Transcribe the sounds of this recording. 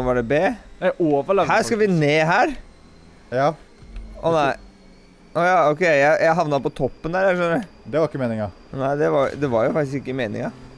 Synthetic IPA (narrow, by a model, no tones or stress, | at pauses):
ʋɑɖɛbeːoːfɑlhæːskɑʋɪneːɦæːɾ | ʔɔnæɪ | ɔjɑːɔkʰɛɪjæɪjæɪɦɑʋnɑpɔt̪ʰɔpːənd̪æːɾjæʂœnəɾə | d̪ɛʋɑɾɪkːəmeːnɪŋɑ | næɪd̪ɛʋɑɾd̪ɛʋɑɾjʊfɑkt̪ɪsɪkːəmeːnɪ̰ŋɑ